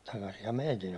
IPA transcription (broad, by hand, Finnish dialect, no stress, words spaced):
tɑkɑsihɑm meitin